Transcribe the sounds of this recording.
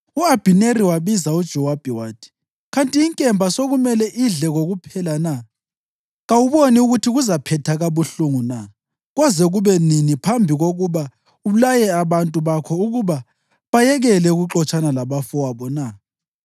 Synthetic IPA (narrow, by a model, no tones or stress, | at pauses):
uab̥ʱineriwaβizaud̥ʒ̥ʱɔwab̥ʱiwaːtʰi̥ | ɣantʼiːŋkʼɛmbʱasoɣumɛlɛʔiɮɛɣoɣupʰɛlana | ɣawuβoniuɣutʰiɣuzapʰɛtʰaɣaβuɬuŋuna | ɣwazɛɣuβɛninipʰambʱiɣoɣuβa | ulajɛaβantʼuβakʰɔuɣuβa | βajɛɣɛlɛuɣuǁɔt͡ʃʼanalaβafɔwaβɔna